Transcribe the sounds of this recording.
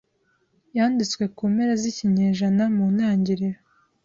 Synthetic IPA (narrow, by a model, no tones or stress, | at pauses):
jaːndit͡swe̞kuːmeɾeziciɲeːʒanamuːnaːɲɟiɾiɾo